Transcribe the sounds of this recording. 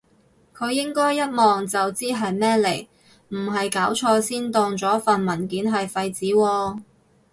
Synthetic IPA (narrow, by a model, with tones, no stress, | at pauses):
kʰɵ˨˧ɥjːɪ˥ŋkɔː˥jːɐ˥t̚mɔː˨ŋt͡sɐ˨wt͡siː˥ɦɐ˨jmɛː˥le˨˩j | m̩˨˩ɦɐ˨jkaː˨˥wt͡ʃʰɔː˧siː˥nt̪ɔː˧ŋt͡sɔː˨˥fɐ˨nmɐ˨˩nkiː˨˥nɦɐ˨jfɐ˧jt͡siː˨˥wɔː˧